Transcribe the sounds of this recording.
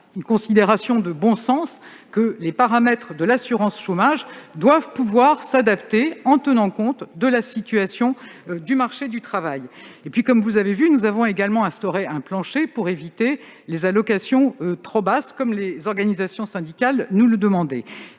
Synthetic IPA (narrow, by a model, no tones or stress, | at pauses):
ynkɔ̃sid̪eʁasjɔ̃d̪əbɔ̃sɑ̃s | kəlepaʁamɛt̪χd̪əlasyʁɑ̃sʃomaʒd̪wavpuvwaʁsad̪apt̪eɑ̃t̪ənɑ̃kɔ̃t̪d̪əlasit̪yasjɔ̃d̪ymaʁʃed̪yt̪χavajepɥikɔmvuzavevynuzavɔ̃eɡalmɑ̃ɛ̃st̪ɔʁeɛ̃plɑ̃ʃepuʁevit̪elezalɔkasjɔ̃øt̪χɔbaskɔmlezɔʁɡanizasjɔ̃sɛ̃d̪ikalnuləd̪əmɑ̃d̪ɛ